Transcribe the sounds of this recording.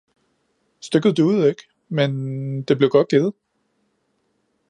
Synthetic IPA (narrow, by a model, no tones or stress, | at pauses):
sd̥øɡ̥ð̞̩ˠd̥øʊð̩ˠeɡ̥ | mend̥e̝b̥leʊɡ̥ɒ̽d̥̚ɡ̥e̝ð̩ˠ